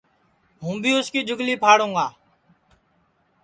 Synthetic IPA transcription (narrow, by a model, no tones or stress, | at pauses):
ɦũːbʱiːʊskiːd͡ʒʊɡliːpʰaːɽũːɡaː